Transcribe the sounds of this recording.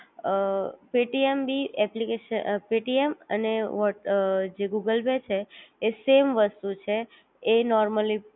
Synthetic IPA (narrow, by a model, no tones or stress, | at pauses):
peʈiembiɛplikeʃəpeʈiemə̰neʋɔd͡ʒeɡuɡəlbet͡ʃʰeːsemʋəst̪ut͡ʃʰeː | nɔɾməli